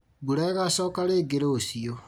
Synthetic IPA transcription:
buɾɛɣasɔːkaɾeːɡeɾoːsio

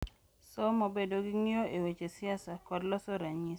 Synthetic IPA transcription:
sɔmobedoɡɪŋioʔewet͡ʃesɪasakɔdlɔsɔɾaɲis

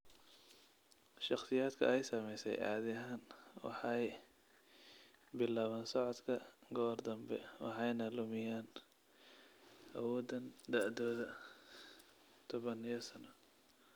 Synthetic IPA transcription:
ʃɑqsɪjaːd̪kʰɐ̰ɛjsɐmɛjsɛ̰jʕɑ̰ːðɪɦaːnwɑ̰ħɑj | bɪlaːβaːnsɔʕɔd̪kʰɐɡɔːrd̪ɐmbɛ̰wɑ̰ħɑjnɐlʊmɪjaːn | ʔɐwɔːd̪ɐnd̪aʕd̪ɔːðɐ | t̪ʰɔβɐnijɔsɐnɔ

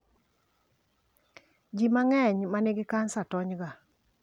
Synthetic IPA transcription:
d͡ʒimaŋɛɲmanɪɡɪkansatɔɲɡa

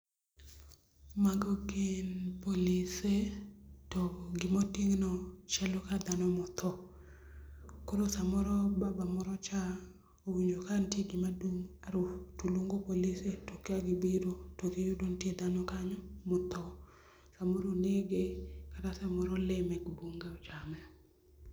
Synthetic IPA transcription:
maɡɔɡenpolisetɔɡɪmotiŋnɔt͡ʃɛlokad̪anɔmɔt̪ɔ | koɾosamɔɾɔbabamɔɾɔt͡ʃa | owiɲokantjeɡɪmaduŋaɾʊtuluŋɡopolisetokeaɡɪbiɾotoɡijudoŋtjed̪anɔkaɲɔmɔt̪ɔ | samoɾoneɡekatasɛmɔɾɔlɪmɛɡboŋɡeɔt͡ʃamɛ

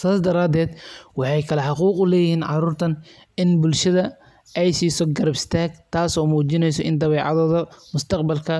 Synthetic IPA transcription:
saːsd̪ɐɾaːd̪ɛːd̪wɑħɑjkʰɐlɐħɑquːqʊlɛːjɪhiːnʕɑ̰ruːrt̪ʰɐn | ɪnbʊlʃɐðɐ | ʔɛjsiːsɔɡɐɾɐbɪst̪ʰaːɡt̪ʰaːsɔːmuːt͡ʃɪnɛjsɔʔɪnd̪ɐβɛːʕɑ̰ðɔːðɐmʊst̪ʰɐqbɐlkʰɐ

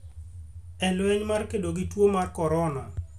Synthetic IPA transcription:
ɛlwɛɲmarkedoɡitwomarkɔɾɔna

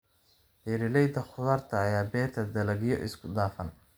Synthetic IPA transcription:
hɛɾɪlɛjd̪ɐχʊðɐːrt̪ʰɐːjaːbɛːrt̪ʰɐd̪ɐlɐɣɪjɔ̰ʔɪ̰skʰʊd̪aːfɐn

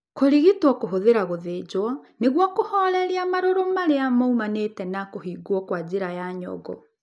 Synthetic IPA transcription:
koɾiɣitwɔkoɦoðeɾaɣoðeːd͡ʑwɔneɣwɔkohɔɾɛɾiamaɾoɾomaɾeamaumanetɛnakohiːɡwɔkwad͡ʑeɾajaɲɔ̰ɣɔ̰

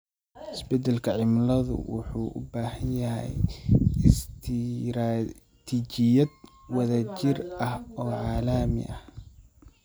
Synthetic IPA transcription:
ɪsbɛd̪ɛlkʰɐʕɪmlɐðʊ̰wʊ̰ħuːʔʊ̰baːhɐnjɐɦɛ̰j | st̪ʰɾ | t̪ʰiːt͡ʃɪjɐd̪ | wɐðɐt͡ʃɪrɐhɔːʕɑːlɐmɪ̰ʔɐ̰h

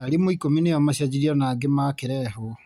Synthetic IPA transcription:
aɾimoikominejɔmaɕad͡ʑiɾiɔnaːɡemakeɾɛho

